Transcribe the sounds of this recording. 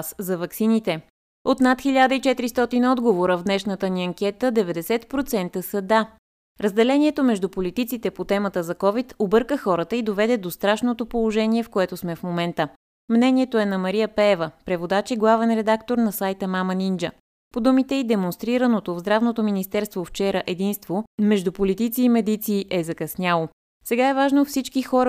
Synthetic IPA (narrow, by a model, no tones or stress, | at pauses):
szɐvɐksinit̪ɛ | ot̪nat̪xiʎʲad̪əit͡ʃɛt̪iɾist̪ɔt̪inɔd̪ɡovoɾəvd̪nɛʃnət̪əniɐŋkʲɛt̪əd̪ɛvɛd̪ɛsɛt̪pɾot̪sɛnt̪əsəd̪a | ɾəzd̪ɛlɛniɛt̪omɛʒd̪upolit̪it̪sit̪ɛpot̪ɛmət̪əzɐkɔvit̪obɤɾkəxɔɾət̪əid̪ovɛd̪ɛd̪ost̪ɾaʃnot̪opolˠoʒɛniɛfkoɛt̪osmɛfmomɛnt̪ə | mnɛnʲiɛt̪oɛnɐmɐɾijəpɛːvəpɾɛvod̪at͡ʃiɡlˠavɛnɾɛd̪akt̪oɾnɐsajt̪əmamənind͡ʒə | pod̪umit̪ɛid̪ɛmonst̪ɾiɾənot̪ovzd̪ɾavnot̪ominist̪ɛɾst̪voft͡ʃɛɾəʔɛd̪inst̪vomɛʒd̪upolit̪it̪siːmɛd̪it̪siːʔɛzɐkɐsnʲalˠo | sɛɡaɛvaʒnofsit͡ʃkixɔɾə